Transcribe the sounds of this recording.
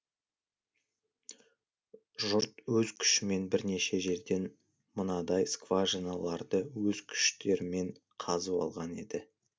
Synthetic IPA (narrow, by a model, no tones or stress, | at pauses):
ʒʊɾt̪wɵzkʲʰʏ̥ʃɪme̞nbɪɾne̞ʃe̞ʒe̞ɾd̪e̞n | mənɑd̪ɑjskvaʒinalˠɑɾd̪əwɵzkʲʰʏ̥ʃt̪e̞ɾɪme̞ɴqʰɑzəwɑ̰lˠʁɑne̞d̪ɪ